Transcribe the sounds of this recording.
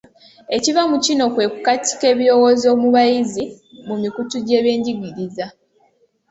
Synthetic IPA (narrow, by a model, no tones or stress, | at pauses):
e̞civamucino̞kwe̞kukatʰi̥ke̞ːβiɾo̞wo̞ːzo̞ːmuβajizi | mumikutuɟeːβje̞ːɲɟiɡiɾiza